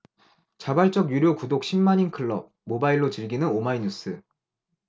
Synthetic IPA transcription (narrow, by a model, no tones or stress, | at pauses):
t͡ɕabaɭt͡ɕ͈ʌɡjuɾjokudok̚ɕ͈ʰimːaɲinkʰɯɭːʌmobaiɭːot͡ɕɯɭɡinɯnomaiɲus͈ʰɯ